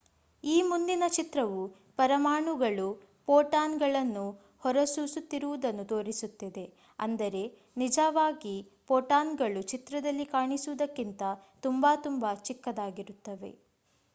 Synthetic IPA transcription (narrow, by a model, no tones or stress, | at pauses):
iːmund̪inɐt͡ʃit̪ɾɐʋu | pɐɾɐmaːɳuɡɐɭu | poːʈaːnɡɐɭɐnːu | hɔɾɐsuːsut̪ːiɾuʋud̪ɐnːut̪o̞ːɾisut̪ːid̪e̞ | ɐnd̪ɐɾe̞ | nid͡ʒɐʋaːɡi | poːʈaːnɡɐɭut͡ʃit̪ɾɐd̪ɐlːikaːɳisuʋud̪ɐkːint̪ɐt̪umbaːt̪umbat͡ʃikːɐd̪aːɡiɾut̪ːɐʋe̞̰